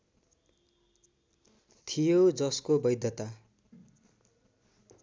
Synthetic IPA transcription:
t̪ʰijod͡zʌskobʌjd̪ʱjʌt̪a

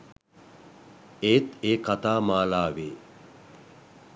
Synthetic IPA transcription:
eːt̪eːkat̪aːmaːlaːʋeː

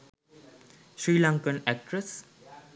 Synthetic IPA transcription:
ʃɾiːlaŋkənɛk̚ʈɾəs

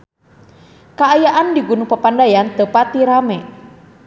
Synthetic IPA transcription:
kaːjaʔandiɡunupapandajant̪əpat̪iɾamɛ

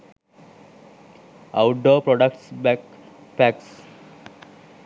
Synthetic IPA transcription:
aʊʈəpɾɔɖəkʈsbɛk | pæks

